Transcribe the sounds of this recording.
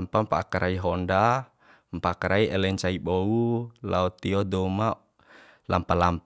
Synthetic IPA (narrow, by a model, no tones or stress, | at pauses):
mpampaːkaɾʔaiɦɔnda | mpaakaɾaiʔɛlɛɲt͡ʃaiɓɔulaɔt̪iɔdɔma | la̰mpalamp